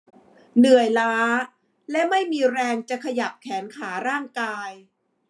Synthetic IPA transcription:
nɯ˨˩əjlaː˦˥ | lɛ˦˥ma˥˩jmiː˧ɾɛː˧ŋt͡ɕa˨˩kʰa˧ja˨˩p̚kʰɛː˩˦nkʰaː˩˦ɾaː˥˩ŋkaː˧j

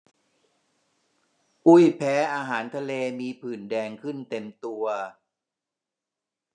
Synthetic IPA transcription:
ʔu˥˩jpʰɛː˦˥ʔaː˧ɦaː˩˦nt̪ʰa˧leː˧miː˧pʰɯː˨˩ndɛː˧ŋkʰɯ˥˩nt̪e˧mt̪u˧ɐ

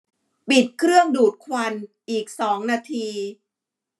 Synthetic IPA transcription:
pi˨˩t̪̚kʰɾɯ˥˩əŋduː˨˩t̪̚kʰwa˧nʔiː˨˩k̚sɔː˩˦ŋnaː˧t̪ʰiː˧

